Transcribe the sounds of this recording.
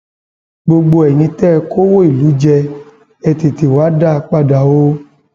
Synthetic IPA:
ɡ͡bo˧ɡ͡bo˧ɛ˨nĩ˧tɛ˦˧ko˦wo˦i˦˨lu˨˦d͡ʒɛ˧ | ɛ˧ti˨ti˨wa˨˦da˦˧k͡pa˦˨da˨wo˦

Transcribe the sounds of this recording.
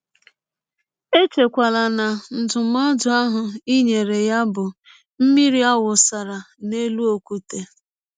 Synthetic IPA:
e˦t͡ʃe˨kʷa˨la˨na˨n̩˨dʊ˨m˦a˦dʊ˨a˦ɦʊ˨i˦ɲe˨ɾe˨ja˦bʊ˨ | m̩˦mi˦ɾi˦a˦wʊ˨sa˨ɾa˨ | ne˦lu˦o˨ku˦te˨

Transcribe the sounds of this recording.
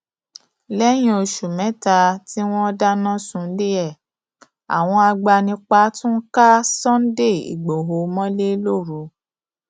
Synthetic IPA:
lɛ˦j̃ĩ˦o˧ʃu˨mɛ̃˨˦ta˧ti˦w̃ɔ̃˦ɔ˧da˦nã˦sũ˧˦li˦ɛ˦˨ | a̰˨w̃ɔ̃˧a˧ɡ͡ba˧nĩ˧k͡pa˧˦tũ˦ka˦sɔ̃˦n̩˦de˦˨ḭ˨ɡ͡bo˨ɦo˨mɔ̃˦le˦lo˦˨ɾu˨˦

